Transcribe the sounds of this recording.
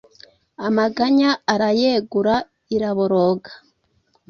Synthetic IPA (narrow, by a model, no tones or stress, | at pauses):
amaɡaɲaːɾajeɡuɾa | iɾaβoɾoɡḁ